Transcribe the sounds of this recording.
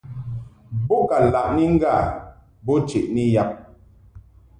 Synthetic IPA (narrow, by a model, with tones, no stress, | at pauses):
bo˦ka˨la˨ʔni˦ŋ̩˦ɡa˦˨ | bo˦t͡ʃe˨ʔni˦ja˦p̚